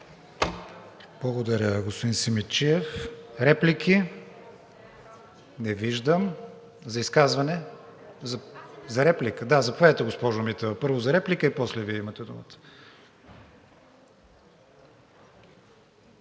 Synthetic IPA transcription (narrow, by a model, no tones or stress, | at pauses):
b̥lˠɐɡod̪ɐɾʲəɡospod̪insimit͡ʃiɛfɾɛplikʰʲi | nɛviʒd̪əm | zɐiskazvɐnɛzɐzɐɾɛplikəd̪azɐpovɛt̪ɛɡospɔʒʊmit̪ɛvɐpɤɾvʊzɐɾɛplikəipɔslɛviɛimɐt̪ɛd̪umə̰t̪ə̥